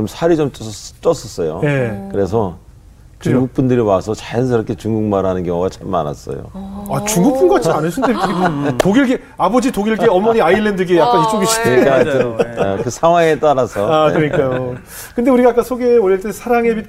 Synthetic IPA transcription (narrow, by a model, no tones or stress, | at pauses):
t͡ɕomsʰaɾid͡ʑomt͡ɕʌt͡ɕ͈ʌs͈ʰʌs͈ʌjo̰je̞kɯɾe̞s̬ʰʌ | kɯt͡ɕuŋɡuk̚p͈undɯɾiwasʰʌt͡ɕajnsʰɯɾʌkʰet͡ɕuŋɡuŋmaɾɦanɯnɡjʌŋoɡat͡ɕʰama̰na̰s͈ʌ̰jo̰at͡ɕuŋɡuk̚p͈unɡoɡat͡ɕianɯɕʰindekʰɯɡtoɡiɭɡe | abʌd͡ʑitoɡiɭɡeʌmːʌɲiaiɭːe̞ndɯɡejak͈̚anis͈ʰoɡiɕʰidka | kɯsʰaŋwaŋet͈aɾasʰʌakɯɾɯɲik͈ajo | kɯnde̞uɾiɡaːk͈asʰoɡe̞oɾiʌɭt͈esʰaɾaŋe̞bi